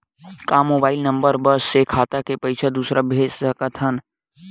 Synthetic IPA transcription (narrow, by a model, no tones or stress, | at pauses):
kamobaːɪlnəmbəɾbəsːekʰaːt̪akepəɪt͡ʃʰəd̪uːsɾabʱeːd͡ʒsəkət̪ʰən